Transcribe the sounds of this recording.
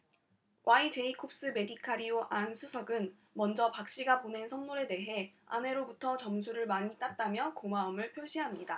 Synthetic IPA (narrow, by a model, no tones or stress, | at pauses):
wʔait͡ɕe̞ikʰop̚s͈ɯme̞dikʰaɾioʔansʰusʰʌɡɯn | mʌnd͡ʑʌpak̚ɕ͈iɡapone̞nsʰʌnmoɾe̞de̞ɦe̞a̰ne̞ɾobutʰʌt͡ɕʌms̬ʰuɾɯɭmaɲit͈at̚t͈amjʌkomaʌmɯɭpʰjoɭɕ͈ʰiɦamɲida